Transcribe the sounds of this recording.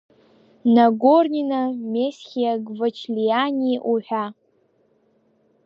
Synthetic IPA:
naɡorninamesχʲiaɡvɨt͡ʃʰlijanʲiʔuħʷᶣa

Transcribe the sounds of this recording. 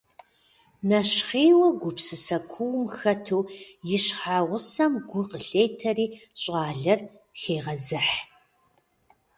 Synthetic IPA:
nɐʃχiːwɐɡʷʊpsɨsɐkʷʰuwmxɐtʰuːjɪɕħaːʁʷʊsɐmɡʷʊqəɬeːjtʰɐriːɕʼɑːɮɐr | xeːʁɐzɨħ

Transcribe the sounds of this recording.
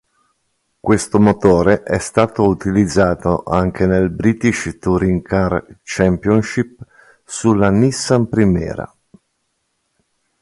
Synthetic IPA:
kwest̪omot̪oːɾeʔɛst̪aːt̪out̪ilid̪zːaːt̪oʔaŋkenelbɾit̪iʃt̪uɾiŋkart͡ʃɛmpjonʃip | sulːanisːampɾimɛ̰ːɾa̰

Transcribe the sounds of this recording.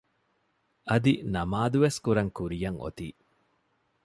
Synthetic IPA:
ɐd̪inɐmaːd̪uʋeskuɾɐŋkuɾijɐŋʔo̰t̪ḭː

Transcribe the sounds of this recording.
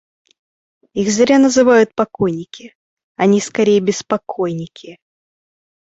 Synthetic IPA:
iɣzɾʲanəzɨvajʊt̪̚pɐkojnʲɪkʲɪ | ɐnʲiskɐɾʲejəbʲɪspɐkʰojnʲɪkʲɪ

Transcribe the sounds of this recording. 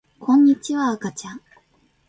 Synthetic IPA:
kʰõ̞ɲ̟ːit͡ɕiβaːkat͡ɕãŋ

